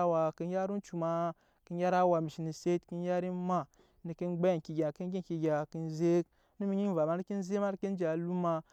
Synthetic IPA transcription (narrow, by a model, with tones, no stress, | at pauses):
wa˨ki˦n˦ja˦ɾi˦n˦t͡ʃu˨ma˦ | ki˦n˦ja˦ɾa˦wa˨mi˨ʃi˨ni˨se˦tki˦nja˦ɾi˦ma˦˨ | ni˨ki˦nɡ͡ba˦˨ki˨ɡʲa˨ki˦n˦ɡʲi˦n˨ki˨ɡʲa˨ki˦nze˦k | nu˦mi˦ɲi˦n˦va˨ma˨˦ni˦ki˦n˦ze˦ma˦ni˦ki˦n˦d͡ʒa˨lu˦ma˨